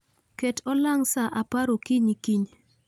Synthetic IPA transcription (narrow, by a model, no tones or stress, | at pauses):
kɛtɔlaŋsaʔapaɾokiɲikiɲ